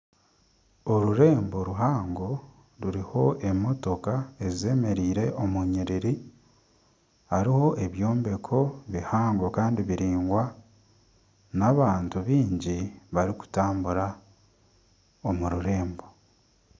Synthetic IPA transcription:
o̞ɾuɾe̞ːmbo̞ɾuɦaːŋɡo̞ | ɾuɾiho̞ʔe̞mo̞to̞kae̞zize̞ːme̞ɾiːɾe̞ʔomuɲiɾiɾi | haɾiho̞ʔe̞βjo̞ːmbe̞kʰo̞βihaːŋɡo̞kaːndiβiɾiːŋɡwa | naβaːntuβiːɲɟiβaɾiku̥taːmbuɾa | omuɾuɾe̞ːmbo̞

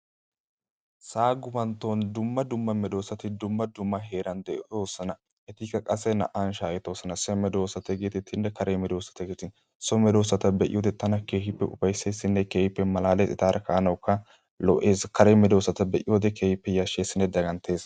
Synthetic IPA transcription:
saːɡʊbɐnt̪ːond̪ʊmːɐd̪ʊmːɐmɛd̪o̞ːsːɐt̪ɪd̪ʊmːɐd̪ʊmːɐɦe̞ːɾɐnd̪ɛʔ̪oːsɐnɐ | ʔɛt̪ikːɐkʼɐsːɛnɐ̰ʔanʃaːjɛt̪o̞ːsːɐnɐsɛmɛd̪o̞ːsɐt̪ɛɡeːt̪ɪt̪ʰːɪnːɛkɐɾʔemɛd̪o̞ːsːɐ̥t̪ɐɡeːt̪ɪn | sɔmɛd̪o̞ːsːɐt̪ɐbɛʔɪ̰joːd̪ɛt̪ɐnɐke̞ːhɪpːɛʔʊfɐjse̞ːsːɪnːɛkeːhɪpːɛmɐlaːlɛsɪ̰t̪aːɾʔɐkaːnɐwkːɐ | lɔʔe̞ːskɐɾemɛd̪o̞ːsːɐt̪ɐbɛʔɪ̰joːd̪ɛkeːhɪpːɛjɐʃe̞ːsːɪnːɛd̪ɐɡɐnt̪ʰe̞ːs

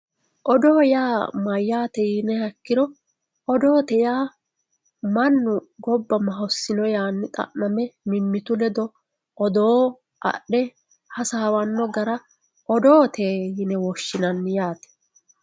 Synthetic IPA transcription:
ʔɔd̪oːjaːmɐjːaːt̪ɛjɪnɛhɐkːɪɾɔ | ɔd̪o̞ːt̪ɛjaː | mɐnːʊɡɔbːɐmɐɦɔsːɪnɔjaːnːɪt̪ʼɐ̰ʔnɐmɛmɪmːɪt̪ʊlɛd̪ɔ | ʔɔd̪oː | ʔɐ̰ɗːɛ | hɐsaːwɐnːɔɡɐɾɐ | ʔɔd̪oːt̪ʰeːjɪnɛwɔʃːɪnɐnːɪjaːt̪ɛ̥

